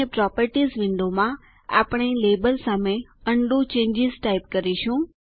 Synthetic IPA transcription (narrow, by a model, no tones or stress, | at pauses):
epɾɔːpəɾʈizʋɪ̃ɳɖomã | a̰ːpɽ̃ileːbəlsaːmẽəɳɖũt͡ʃẽːɲd͡ʒɪzʈaɪpkəɾiʃũː